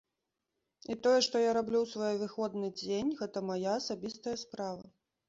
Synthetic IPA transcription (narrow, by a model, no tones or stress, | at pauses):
it̪ɔjɛʂt̪ɔjaɾablʲuwsvɔjɛvɨxɔd̪nɨd͡zʲenʲɣɛt̪ɐmajaːsabʲist̪ɐjɐspɾavɐ̰